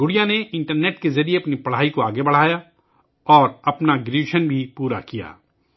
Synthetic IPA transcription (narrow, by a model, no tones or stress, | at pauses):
ɡʊɽijãneʔɪ̃ɳʈəɾneːʈkezɐɾijeɐpnipɐɽ̤aːikoaːɡebɐɽ̤aːja | ɔːɾɐpnaɡɾuːʃənbʱipuːɾa̰kija̰ː